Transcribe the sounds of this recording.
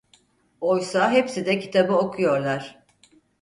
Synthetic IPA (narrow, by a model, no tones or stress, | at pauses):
ojsaɦepsid̪ɛcʰi̥t̪ʰabɯokʰujo̞ɾlˠaɾ̥